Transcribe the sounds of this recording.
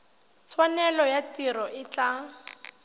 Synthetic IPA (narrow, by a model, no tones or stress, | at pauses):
t͡sʰwanɛlɔjatirɔʔɪt͡ɬʼa